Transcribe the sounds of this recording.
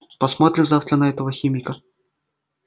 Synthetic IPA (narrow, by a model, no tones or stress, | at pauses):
pɐsmat̪ɾʲɪzaft̪ɾənɐɛt̪əvəxʲimʲɪkə